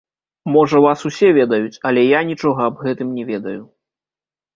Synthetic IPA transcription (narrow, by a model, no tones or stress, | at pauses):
mɔʐɐvasusʲɛvʲɛd̪ɐjut͡sʲɐlʲɛjanʲit͡ʂɔɣɐːbɣɛt̪ɨmnʲɛvʲɛd̪ɐju